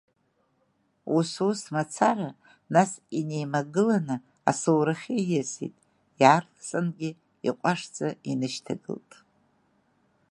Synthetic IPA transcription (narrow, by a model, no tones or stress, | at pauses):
ususmat͡sʰara | nasinejmaɡɨlanɨ | a̰sɨwɾaχʲejɪsḭtʼ | jartsʼɨnɡʲɪ | ḭqʷʼaʂd͡zʼainɨʃtʰaɡɨ̰ltʼ